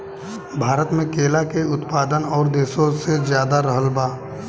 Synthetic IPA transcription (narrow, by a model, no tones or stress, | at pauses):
bʱaːɾət̪mẽkeːlakeʊt̪paːd̪ənɔːɾd̪eːsõsezjaːd̪aɾəɦəlbaː